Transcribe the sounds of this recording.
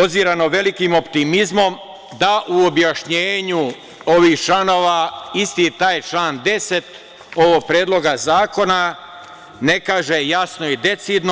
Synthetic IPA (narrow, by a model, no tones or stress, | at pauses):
od̪ziɾano̞ʋe̞likimo̞pt̪imizmo̞m | d̪aʔuobjaʃɲeːɲu | oʋiːxt͡ʃlano̞ːʋaist̪it̪aːjt͡ʃlaːnd̪e̞se̞t̪ | o̞ʋoɡ̚pɾjeːd̪lˠo̞ɡazaːko̞na | ne̞kaːʒejasno̞id̪e̞t̪sid̪no